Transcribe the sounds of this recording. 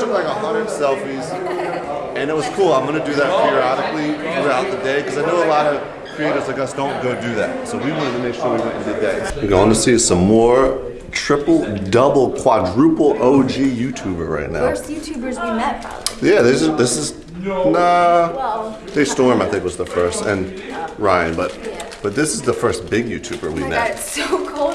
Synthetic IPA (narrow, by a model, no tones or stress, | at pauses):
ʌtlaɪkəhʌ̃ndəd̥sɛlˠfiz̥ | ɨ̃nɨt̚wʌz̥kʰulˠãɪ̃mɡʌnɨdɨðɨt̚θiəɑɾɨkliθɹʉaʊt̪̚ðɨdeɪkʌzaɪnoʊəlɑɾʌ | kʰɹ̥ieɪɾə˞zlaɪkʌsd̥õʊ̃nɡoʊdɨðæ̰t̚soʊwiwɑ̃ñɨtʰɨmeɪkʃɔɹwiwɛ̃ntɨ̃ntɨdeɪəɡoʊə̃ntʰɨsiɨ̥sʌ̃mːɔɹ | tʰɹ̥ɪpl̩ˠdʌbl̩ˠkʰw̥ɑdɹʉpl̩ˠoʊd͡ʒijʉtʰʉbə˞ɹa̰ɪtⁿna̰ʊjʉtʰʉbə˞zwimɛt | jæðed͡ʒʌðɪsɨz | ʌ | ðeɪstɔɹmaɪθɪ̃k̚wʌzðəfɜ˞stɨ̰̃n | ɹãɪɨ̃nbʌt̪̚b̥ʌt̪̚ðɪsɨzðəfɜ˞sb̥ɪɡjʉtʰʉbə˞wḭmɛ̰t̚soʊkʰˠ